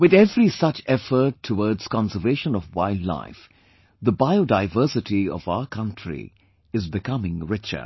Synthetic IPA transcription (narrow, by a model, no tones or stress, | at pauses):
wɨðɛvɾisʌt͡ʃɛfəɾʈʰːəwɔːdz̥kɑ̃nsəveɪʃə̃nɔvwa̰ɪldla̰ɪf | d̪əbaɪodaɪvəsɪtiɔ̰vaʊəkʰʌ̃ntʰɹḭ | ɪzbɪkʰʌmɪ̃ŋɹɪt͡ʃə̰